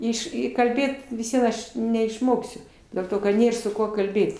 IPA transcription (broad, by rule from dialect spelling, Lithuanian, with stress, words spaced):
ˈɪʃ ˈɪ kɐlʲˈbʲeːt ʋʲɪs ˈʋʲiɛn ˈɐʃ nʲɛɪʃˈmoːksʲʊ dʲeːlˠ ˈtoː kɐt ˈnʲeːr sʊ ˈkuɔ kɐlʲˈbʲeːt